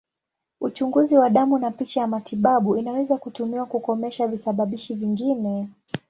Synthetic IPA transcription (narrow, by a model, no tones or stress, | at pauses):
ut͡ʃuŋɡuziwaɗamunapit͡ʃajamatiɓaɓuinawɛzakutumiwakukɔmɛʃavisaɓaɓiʃiviŋɡinɛ